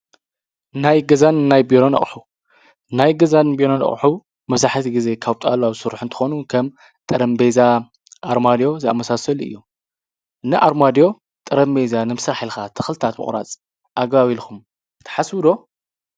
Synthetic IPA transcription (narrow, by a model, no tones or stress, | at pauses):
najɡɐzanːajbiɾonɐ̰χʼħu | najɡɐzanbiɾonɐ̰χʼħu | mɐβzaħt̪ʰiɡize̞kʰaβt̪ʼaloaβɨ̥sɨɾuħɨnt̪ʰɨ̥xonukʰɐm | t̪ʼɐɾɐmbeza | ʔaɾmad̪jo̞zɨa̰mːɐsasɐlɨ̰jːo̞ | nɨʔaɾmad̪jo̞ | t̪ʼɨɾɐmbe̞zanɨmɨsɾaħilxat̪ʰɨ̥xlɨt̪ʰat̪mɨ̰χʼɾa̰t͡sʼ | ʔaɡβaβilkʰum | t̪ʰɐ̥ħaswɨd̪o̞